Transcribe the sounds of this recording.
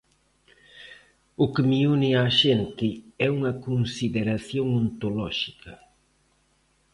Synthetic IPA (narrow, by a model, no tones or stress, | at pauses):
ʊkɪmiunɪaʃent̪ɪɛuŋɐkonsiðeɾaθjoŋont̪olɔʃikʰɐ